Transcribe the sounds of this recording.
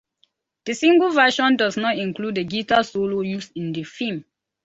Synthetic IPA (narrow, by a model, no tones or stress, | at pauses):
d̥əsĩŋɡəlˠvɛʃɔ̃ndɔznɔtĩŋkludəɡitasolojusĩndəfĩm